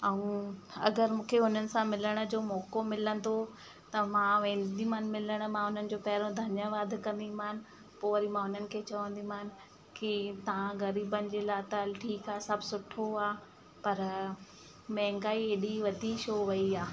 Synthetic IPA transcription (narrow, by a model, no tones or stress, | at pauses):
ɐũɐ̰ɡəɾmũːkʰeʊn̤ənɪ̆sãmɪləɽ̃ə̆d͡ʑoːmɔːkomɪlə̃nd̪o | t̪ɐmãʋẽːnd̪imaːn̆mɪləɽ̃̆mãʊn̤ənɪ̆d͡ʑoːpɐɦɪɾõd̪ʱɐnjəʋaːd̪ʱkɐ̃nd̪imaːnɪ̆ | poːɐɾimãʊn̤ənɪ̆kʰeːt͡ɕɐʋə̃nd̪im̤anɪ̆ | kit̪ɐʋãɣɐɾiːbənɪ̆d͡ʑeːlaːt̪ɐʈʰiːkaːsɐbʱsʊʈʰoaː | pɐɾ | mɛ̃ɦŋ̆ɡaːieɗiʋɐd̪ʱiʃoːʋɐiaː